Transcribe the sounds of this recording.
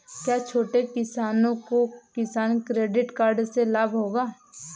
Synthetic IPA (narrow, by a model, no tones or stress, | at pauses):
kjaːt͡ʃʰoːʈekɪsaːnõkokɪsaːnkɾeːɖɪʈkaːɾɖselaːbʱɦoːɡaː